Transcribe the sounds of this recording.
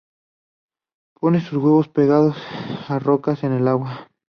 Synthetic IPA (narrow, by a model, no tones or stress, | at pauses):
pʰo̞nesuzɣweβo̞spe̞ɣaðo̞saro̞kase̞ne̞laɣwa